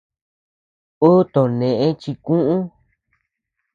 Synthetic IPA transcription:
o˦t̪õ˨nẽ˨ʔẽ˦t͡ʃi˧kũ˦ʔũ˦

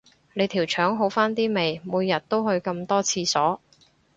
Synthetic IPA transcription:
le˨˧jt̪ʰiː˨˩wt͡ʃʰœː˨˥ŋɦo˨˥wfaː˥nt̪iː˥me˨jmuː˨˧jːɐ˨t̚t̪o˥wɦɵ˧ɥkɐ˧mt̪ɔː˥t͡sʰiː˧sɔː˨˥

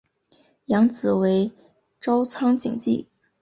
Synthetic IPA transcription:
jɑ˧˥ŋt͡sɹ̩˨˩we˧˥ɪ | ʈ͡ʂɑ˥ʊt͡sʰɑ˥ŋt͡ɕḭ˨˩ŋt͡ɕḭ˥˩

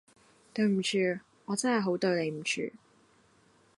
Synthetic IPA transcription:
t̪ɵ˧ɥm̩˨˩t͡ʃʰyː˨˧ | ɔː˨˧t͡sɐ˥nhɐ˨jɦo˨˥wt̪ɵ˧ɥle˨˧jm̩˨˩t͡ʃʰy̰ː˨

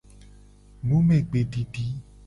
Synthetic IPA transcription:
nũ˦mẽ˨ɡ͡be˨ɖi˨ɖi˨˦

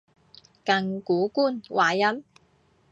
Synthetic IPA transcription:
kɐ˧ŋkuː˨˥kuː˥˩nwʔaː˨˩jɐ˥m

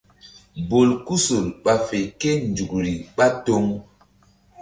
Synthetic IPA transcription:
bo˨lku˦so˨lɓa˨fe˨ke˦nd͡ʒu˨kɾi˨ɓa˦to˦ŋ

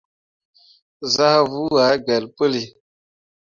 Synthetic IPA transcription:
za˦hvu˦wa˨˦ɡɛ˨lpə˦li˨

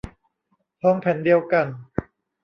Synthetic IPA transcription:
hɔː˦˥ŋpʰɛ˨˩˦ndi˧əwka˧n

